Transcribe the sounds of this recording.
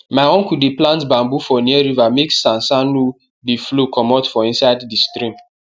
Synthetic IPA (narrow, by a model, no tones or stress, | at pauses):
maɪɔ̃ŋkudeplãntbãmbufɔniɛɾivameksːãnsanu | diflokʰɔmɔtfɔĩnsaɪddistɾĩm